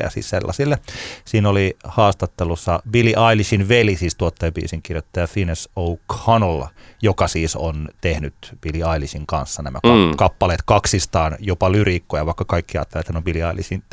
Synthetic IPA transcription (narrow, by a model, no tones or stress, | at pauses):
jɑ̰sḭːsselːɑ̰silːesiːnolihɑːst̪ɑt̪ːelusːɑbiliʔɑilisinʋelisiːst̪uot̪ːeːbḭːsiŋkirjot̪ːɑjɑfinesoukhɑnljokɑsiːsont̪ehnyt̪b̥iliɑilisiŋkɑ̰nsːɑnæmæ̰kɑkɑpːɑleːt̪kɑksist̪ɑːnjopɑlyrikːojɑʋɑikːɑkɑikːiɑ̰ːt̪ːelet̪hænobiliɑilisin